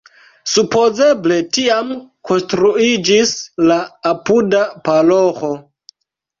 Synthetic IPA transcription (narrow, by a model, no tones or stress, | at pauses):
supo̞zeble̞tiamkʰo̞nstɾuid͡ʒislaːpudapaloxo